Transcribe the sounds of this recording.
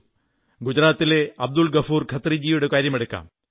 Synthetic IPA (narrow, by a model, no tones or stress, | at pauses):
ɡud͡ʑɾaːt̪ːileɐb̚d̪ulɡɐfuːrkʰɐt̪ːrid͡ʑiːjuɽe̞kaːɾjɐmeɽukːa̰ːm